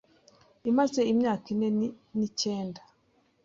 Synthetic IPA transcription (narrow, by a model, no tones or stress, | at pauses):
imazeimɲaːkine | niceːnda